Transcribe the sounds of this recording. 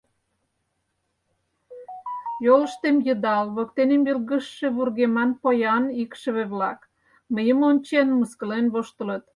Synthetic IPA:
joləʃt̪emjə̆d̪ɑlβokt̪enemilɣə̆ʃːeβurɣemɑnpojɑnikʃə̆βeβlɑk | məjəmonʲt͡ɕenmuskə̆lenβoʃt̪ə̆lət̪̚

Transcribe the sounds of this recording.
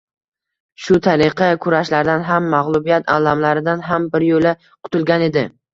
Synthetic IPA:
ʃʊt̪ʰaɾɪqʰɑkʰʊɾaʃlaɾd̪anɦamːaʁlˠʊbijat̪ʰa̰lamlaɾɪd̪anɦambɪɾjola | qʰʊ̥t̪ʰʊlˠɡʲane̞d̪ɪ

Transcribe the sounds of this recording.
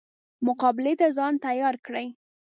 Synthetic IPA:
mʊqɑbɪlet̪azɑnt̪ajɑɾkɽəj

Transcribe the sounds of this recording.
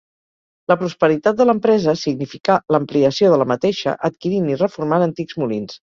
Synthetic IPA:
ləpɾuspəɾit̪at̪̚d̪ələmpɾɛzəsiɡnifikaləmpliəsioðələmət̪eʃə̰ʔət̪kiɾinirəfurmanənt̪ikzmulins

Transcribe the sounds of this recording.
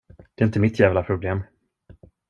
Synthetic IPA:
d̪̥ɛɪnt̪əmɪt̪jæːvlapʰɾʊbleːm

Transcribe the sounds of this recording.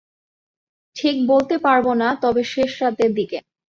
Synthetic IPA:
ʈʰik̚bolt̪epaɾbonat̪ɔbeʃeʃɾat̪eɾd̪ike

